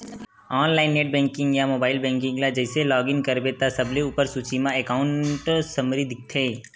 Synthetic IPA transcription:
ɔːnlaːɪnːeːʈ̚bɛ̃ːŋkɪ̃ŋɡjamoːbaːɪlbɛ̃ːŋkɪ̃ŋɡlad͡ʒɛːselɔːɡɪ̃ŋɡkɐɾbet̪asɐbleuːpəɾsut͡ʃimãekaːʊ̃ɳʈsɐmɾid̪ɪk̚ʰt̪ʰeː

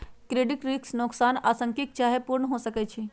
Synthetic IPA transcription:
kɾeːɖɪʈɾiksnʊksaːnaːsə̃ŋkik̚t͡ʃaːɦepuɾɳəɦosəkɛt͡ʃʰi

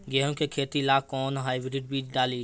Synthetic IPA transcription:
ɡɛːɦõkekʰeːt̪ilaːkɔːnɦaːɪbɾɪʈ̚biːt͡ʃɖaːliː

